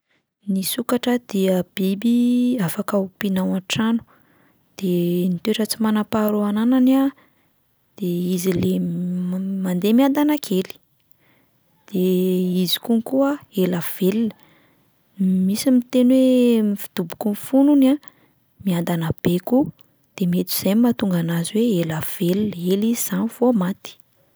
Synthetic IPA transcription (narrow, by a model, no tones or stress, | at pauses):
nisukaʈ͡ʂəd̪̥iəb̥ibiafakaupinawanʈ͡ʂanu̥ | d̪̥enit̪eʈ͡ʂət͡simanapaɾuananana | d̪̥eizile | mand̪emiand̪anakʰeli̥ | d̪̥eizi̥kunkuaelav̥elinə̥ | misimit̪enwemifi̥d̪̥ubu̥kunfununa | miand̪anab̥eku | d̪̥emiet̪u̥z̥ajmat̪uŋɡanaziweelav̥elinəeliiz̥anifomat̪i̥